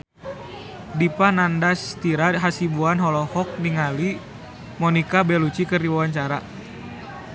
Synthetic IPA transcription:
dipanandast̪iɾaɦasibuanɦɔlɔhɔk̚niŋali | mɔnikabɛlut͡ʃikərdiwawaɲt͡ʃaɾa

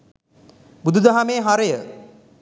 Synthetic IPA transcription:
bud̪ʱud̪aɦameːɦaɾəjə

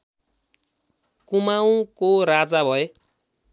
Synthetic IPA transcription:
kumaw̃ũkoɾad͡zabʱʌe

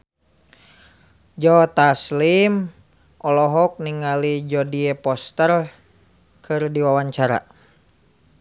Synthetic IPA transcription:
d͡ʒɔt̪aslim | ʔɔlɔɦɔk̚niŋalid͡ʒɔdiɛpɔst̪ər | kʰɨrdiwawaɲt͡ʃaɾa̰

